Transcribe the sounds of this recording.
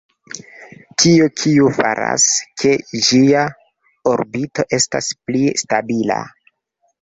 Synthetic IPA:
kʰiokʰiufaɾa̰skʰe̞d͡ʒia | oɾbito̞ʔe̞sta̰splistabila̰

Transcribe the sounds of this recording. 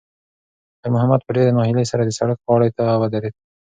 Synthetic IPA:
d̪̥əɾmʊɦamad̪̚pəɾd̪ed̪əmɑhɪlejsaɾad̪əsaɽakwɑɽəjt̪aːwad̪aɾed̪̚

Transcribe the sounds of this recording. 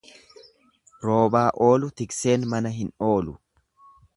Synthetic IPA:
ɾo̞ːbaːʔo̞ːlʊt̪ɪkse̞ːnmɐnɐɦɪno̞ːlʊ

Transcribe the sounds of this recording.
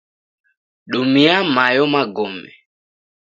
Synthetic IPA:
ɗumiamajɔmaɡɔmɛ̰

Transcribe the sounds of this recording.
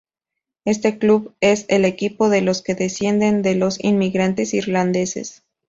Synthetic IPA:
e̞st̪e̞kluβe̞sele̞kipo̞ðe̞lo̞ske̞ðe̞sje̞nd̪e̞nd̪e̞lo̞sḭnmiɣɾant̪e̞siɾland̪e̞se̞̰s

